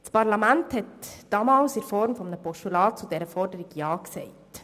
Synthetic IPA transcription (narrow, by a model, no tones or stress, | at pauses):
spɑɾlɑmænthɛtd̥ɑmɑːlsɪɾfɔɾmfɔmnəpɔʃtulɑːt̚t͡sudɛɾəfɔɾdəɾɪɡjɑːksɛɪt